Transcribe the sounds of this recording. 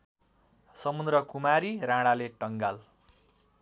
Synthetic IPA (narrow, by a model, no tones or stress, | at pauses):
sʌmund̪rʌkumaɾirãɽaleʈʌŋɡal